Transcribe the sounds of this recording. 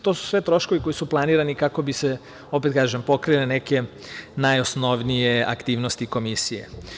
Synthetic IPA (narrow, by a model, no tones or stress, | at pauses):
t̪osu̥sʋe̞t̪ɾo̞ʃko̞ʋiko̞jisuplˠaniːɾanikako̞bise | o̞pet̪kaːʒempo̞kɾilene̞ke̞ | najosno̞ʋnije̞a̰kt̪iːʋnost̪iko̞misijḛ